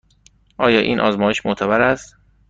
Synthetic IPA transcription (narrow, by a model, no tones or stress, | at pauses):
ʔɒːjɒːʔiːnʔɒ̰ːzmɒːjeʃmot̪ʰæbæɾæst̪